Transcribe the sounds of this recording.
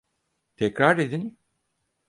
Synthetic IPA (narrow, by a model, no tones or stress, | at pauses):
t̪ʰɛcɾaɾed̪in